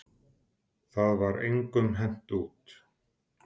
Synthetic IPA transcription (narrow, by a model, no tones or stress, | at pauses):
θaðvaɾḛjŋkʏmɦɛn̥t̪uːt̪